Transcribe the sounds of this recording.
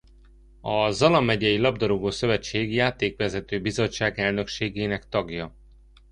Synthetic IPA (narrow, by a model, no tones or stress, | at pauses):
ɒzɒlɒmːɛɟɛjilɒb̚d̪ɒɾoɡoːsø̞vɛt͡ʃːeːɡjaːt̪eːkʋɛzɛt̪øːbizo̞t͡ʃːaːɡɛlnø̞kʃeːɡeːnɛkt̪ɒɡjɒ